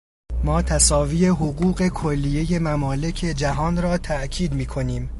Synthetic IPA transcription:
mɒːt̪ʰæsɒːviːe̞ɦoɣuːɢe̞kʰolːije̞je̞mæmɒːle̞cʰe̞d͡ʒæɦɒːnrɒːt̪ʰæʔcʰiːd̪miːkʰo̞niːm

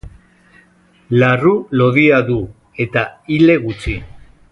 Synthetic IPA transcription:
larulo̞ðiaðu | e̞t̪aile̞ɣut͡si

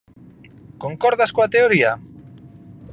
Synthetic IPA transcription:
koŋkɔɾðaskoat̪eoɾia

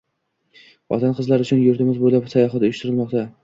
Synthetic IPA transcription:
ɒ̰t̪ʰanqʰɨzlaɾʊt͡ʃʰʊnjʊɾt̪ɪmɪzbojlapsajɒɦat̪ʊjʊʃt̪ɪɾɪlˠmɒqt̪ʰa

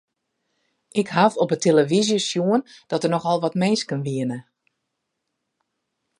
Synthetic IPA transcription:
ʔɪkhafɔpətʰeləʋizjəsjuənd̥ɔtərnɔxɔlˠʋɔtmeːskənʋiənə

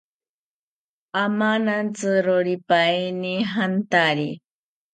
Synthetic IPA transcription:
amanant͡sɨɾoɾipainiɦant̪aɾi

